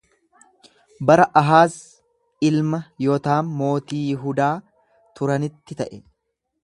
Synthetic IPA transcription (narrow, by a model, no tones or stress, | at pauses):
bɐɾɐʔɐɦaːz | ɪlmɐjɔt̪aːmːo̞ːt̪iːjɪɦud̪aː | t̪ʊɾɐnɪt̪ːɪt̪ɐʔɛ